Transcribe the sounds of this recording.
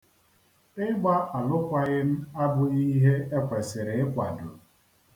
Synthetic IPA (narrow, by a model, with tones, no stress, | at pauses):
ɪ˦ɡ͡ba˦a˨lʊ˦kʷa˦ɣɪ˦m̩˦a˦bʊ˨i˦ɦe˦e˦kʷe˨sɪ˨ɾɪ˨ɪ˦kʷa̰˨dʊ̰˨